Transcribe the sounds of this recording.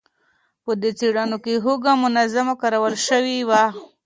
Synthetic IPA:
pəd̪ət͡seɽanokeɦoɡamʊnazamakaɾawəlʃəwiwa

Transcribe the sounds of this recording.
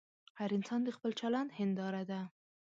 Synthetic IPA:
haɾɪnsɑnd̪əxpəlt͡ʃaland̪hɪnd̪ɑɾad̪a

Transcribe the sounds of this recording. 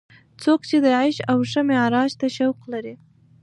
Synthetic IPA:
t͡sokt͡ʃed̪əʕajʃawʂəmeɾɑʒt̪aʃawqlaɾi

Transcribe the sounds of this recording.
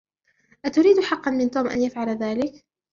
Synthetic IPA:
ʔat̪ʊɾiːd̪ħɑqːɑnmɪnt̪uːmʔa̰njafʕalaðaːlɪk

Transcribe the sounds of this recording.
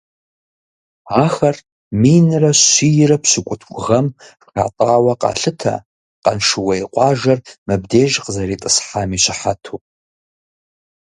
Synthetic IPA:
aːxɐr | mijnɨrɐɕʷijɪrɐpʰɕʷɨkʷʼʊtʰkʷʼʊʁɐm | a̰tʼaːwɐqɑ̰ːɬɨtʰɐ̰ | qɐnʂɨwɐiqʷʼɑːʒɐrmɨbdeːʒqəzɐɾiːtʼɨsħamiɕʷɪħatʰupʼ

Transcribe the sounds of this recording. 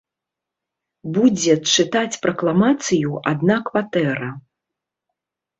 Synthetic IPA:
bud͡zʲɛt͡ʂɨt̪at͡sʲpɾɐklˠamat̪sɨjuad̪̚nakvat̪ɛɾɐ

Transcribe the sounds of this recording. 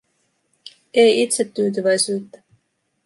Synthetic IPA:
ejʔit̪set̪ːyːt̪̬yvæjsyːt̪ːæ̥

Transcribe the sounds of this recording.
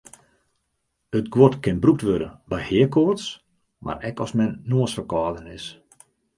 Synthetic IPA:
ətɡwotkɪnbruk̚tʋødə̰nbɛjhɪəkorts | mʔa̰rɛkɔsmɛnːoəsfəkɔːdənɪs

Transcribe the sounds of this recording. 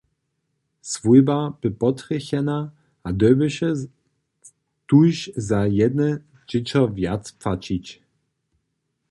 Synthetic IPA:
svujbab̥ɘpɔt̪ɾɛxɛna | ad̪ɔbɘʃɛ | t̪ujɕzajɛd̪nɛ | d͡ʑɪt͡ɕɔvjat̪spfat͡ɕit͡ɕ

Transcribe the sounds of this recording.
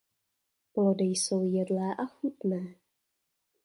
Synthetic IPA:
plo̞dɪjso̞wjɛdlɛːʔaxut̪nɛː

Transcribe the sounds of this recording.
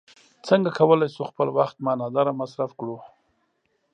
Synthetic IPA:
t͡səŋɡakʰawəlajsuxpəlwaxt̪mɑnɑd̪ɑɾamasɾafkɽu

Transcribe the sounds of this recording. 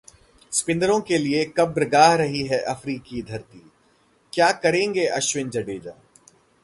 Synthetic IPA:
spɪ̃nd̪əɾõkeliekɐbɾɐɡaːɦɾɐɦiɦɛʔɐfɾiːkid̪ʱɐɾt̪iː | kjaːkɐɾẽːŋɡeʔɐʃwɪnd͡ʒɐɖeːd͡ʒaː

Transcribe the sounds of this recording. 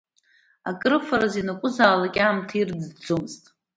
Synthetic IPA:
akʼrɨfaɾazinakʷʼʊzaːlakʲʼaːmtʰird͡zd͡zomztʼ

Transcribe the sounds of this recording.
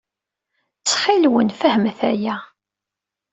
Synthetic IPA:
t͡sːχɪlwənfəhmθæjæ

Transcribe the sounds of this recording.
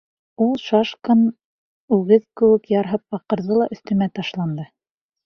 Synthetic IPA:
ulˠʃɑʃkɑn | ʉɡɘðkɘ̆wɘ̆kjɑɾɦɤp̚ːɑqɤ̆ɾðɤlˠɑʔɵ̆θt̪ɵ̆mæt̪ɑʃlˠɑnd̪ɤ

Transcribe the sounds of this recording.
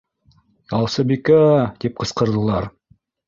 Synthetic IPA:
ɑlˠsɤbikæt̪ip̚qɤ̆sqɤ̆ɾd̪ɤ̆lˠɑɾ

